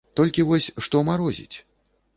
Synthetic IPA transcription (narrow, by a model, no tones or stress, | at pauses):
t̪ɔlʲkʲivɔsʲʂt̪ɔmaɾɔzʲḭt͡sʲ